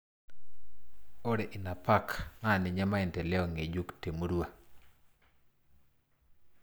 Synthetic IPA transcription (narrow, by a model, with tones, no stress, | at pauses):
o˦ɾe˨ʔi˨na˨pa˦kma˦˨nɪ˨ɲɛ˦ma˦ɛ˨ntɛ˨lɛ˦ɔ˨ŋe˨d͡ʒu˦kte˨mu˦ɾu˦wa˨